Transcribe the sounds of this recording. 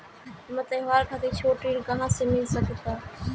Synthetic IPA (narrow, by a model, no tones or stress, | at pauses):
mət̪əɦʋaɾkʰat̪et͡ʃʰoʈɾilkəɦãsemilsəkɛt̪a